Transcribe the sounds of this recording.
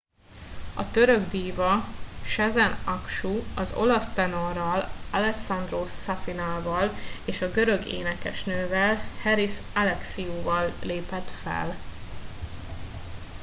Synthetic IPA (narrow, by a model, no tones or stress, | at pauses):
ɒ̰t̪ø̞ɾøɡd̪iːvɒʃɛzɛnɒkʃuɒzo̞̰lɒst̪ɛno̞rːɒlɒlɛksɒnd̪roːsafinaːvɒleːʃɒɡø̞ɾø̞ɡḛːnɛkɛʃnøːvɛlhɛɾisalɛksiuːvɒlːeːpɛt̪fɛ̰l